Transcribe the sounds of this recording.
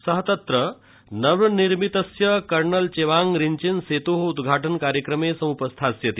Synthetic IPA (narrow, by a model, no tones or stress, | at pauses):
sɐɦt̪ɐt̪ɾə | nɐʋɐniɾmit̪ɐsjɐkɐɾɳɐlt͡ɕeʋaŋɡɾiɲt͡ɕinset̪oɦud̪ɡʱaːʈənkaɾjəkɾəmesɐ̃mupɐst̪ʰasjɐt̪i